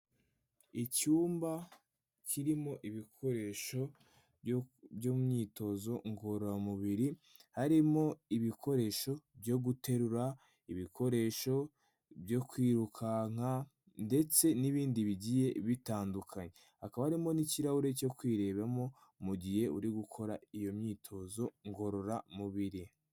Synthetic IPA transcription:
icuːmba | cʰiɾimo̞ʔiβikʰo̞ɾe̞ʃo̞ | bjomumɲiːto̞zo̞ŋɡoɾoɾamuβiɾi | haɾimo̞iβikʰo̞ɾe̞ʃo̞bjoɡute̞ɾuɾa | iβikʰo̞ɾe̞ːʃo̞ | bjo̞kwiːɾukʰaŋ̥a | nde̞t͡se̞niβiːndiβiɟije̞βitaːndukʰaɲe | hakaβahaɾimo̞niciɾahuɾe̞co̞kwiːɾe̞ːβamo̞ | muɟihe̞ṵɾiɡukʰo̞ɾaijo̞mɲiːtʰo̞zo̞ŋɡo̞ɾo̞ɾamuβiɾi

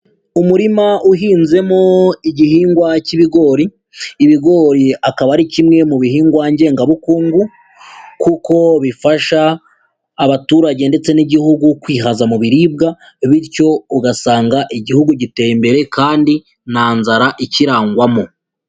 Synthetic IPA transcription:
umuɾimaʔuɦiːnze̞mo̞iɟihiːŋɡwaciβiɡo̞ːɾiː | βiɡo̞ɾiakaβaɾicimŋe̞muβihiːŋɡwaɲɟe̞ːŋɡaβukuːŋɡu | kuko̞βifaʃaː | βatuːɾaɟe̞nde̞t͡se̞niɟihuɡukwiːɦazamuβiɾib̚ɡa | βiɾco̞uɡasaːŋɡaʔiɟihuɡuɟite̞ːjimbe̞ɾe̞kaːndi | naːnzaɾaʔiciɾaːŋɡwamo̞

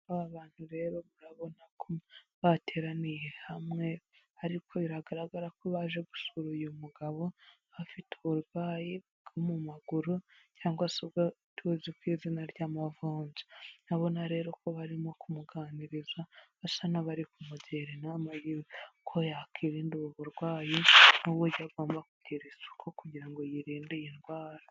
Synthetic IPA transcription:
aβaβaːn̥huɾe̞ɾo̞βuɾaβo̞nakʰoβatʰe̞ɾanijehamŋe̞ | aɾikʰo̞βiɾaɡaɾaɡaɾakoβaʒe̞ɡu̥suɾujomuɡaβo̞ | βafiteuɾɡaːji | ɡomumaɡuɾu | caːŋɡwasobɡatʰuzikwiːzinaɾɟaːmavuːɲzi̥naβo̞naɾe̞ːɾokoβaɾimo̞kumuɡaniɾizwaasanaβaɾikumuɟeɾenamajiwekʰojakiːɾinduβuβuɾɡwaːjinuβuɟaɡo̞ːmbakuɟeɾesu̥kʰokuɟiɾaŋɡo̞jiɾiːndejinɡwaːɾḁ

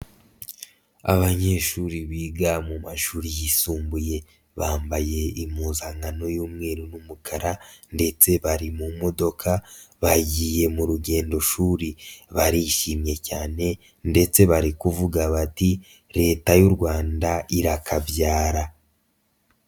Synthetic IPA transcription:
a̰βaɲe̞ʃuɾiβiːɡamumaʃuːɾijisuːmbuje̞ | βaːmbaje̞imuzaŋɡano̞juːmŋe̞ːɾunumukʰaɾande̞t͡se̞βaɾimumo̞do̞kʰaβaɟiːje̞muɾuɟe̞ːndo̞ʃuːɾiβaɾiʃimɲe̞caːne̞ | nde̞t͡se̞βaɾikuvuɡaβati | ɾe̞ːtajuɾɡwaːndaiɾakavjaːɾa

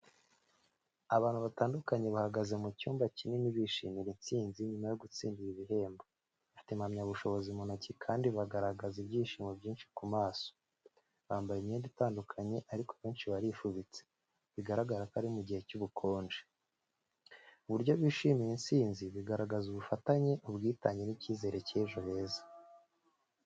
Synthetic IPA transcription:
aβaːn̥huβataːndukaɲe̞βahaɡaze̞mucuːmbacininiβiʃiːmiɾint͡siːnziɲumajo̞ɡut͡siːndiɾiβiɦe̞ːmba | βatimamɲaβuʃo̞βo̞zimunacikʰaːndiβaɡaɾaɡazibɟiːʃiːmebɟiːnʃi̥kumaːso̥ | βaːmbajemɲeːnditaːndukʰaɲe̞ʔaɾikoβe̞ːnʃiβaɾifuβit͡se̥ | βiɡaɾaɡaɾakaɾimuɟihe̞cuβukʰo̞ːnd͡ʒe | uβuɾɟo̞βiːʃiːmiɾint͡siːnziβiɡaɾaɡazuβufataɲe̞ʔuβɡiːtaɲe̞niciːze̞ːɾe̞ceʒo̞βe̞ːzḁ

